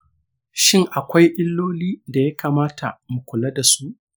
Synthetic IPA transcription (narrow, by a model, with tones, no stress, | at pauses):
ʃɪ˦ŋʔa˨kʷa˦jʔɪ˦lːoː˦liː˦da˨ja˦kaː˨maː˦tʰa̰˨mu˨kʷʊ˨lɐ˦da˨su˦ʔ